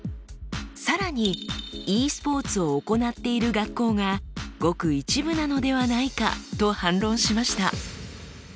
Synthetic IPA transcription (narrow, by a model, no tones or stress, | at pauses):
saɾaɲ̟iiːsɨ̥po̞ːt͡sɨo̞ːko̞nat̪ːe̞iɾɯ̟ɡakːo̞ːɡaɡ̥o̞kɯ̟it͡ɕibɯ̟nano̞d̪e̞βanaika̰t̪o̞hãnɾõ̞ɰ̃ɕimaɕi̥t̪a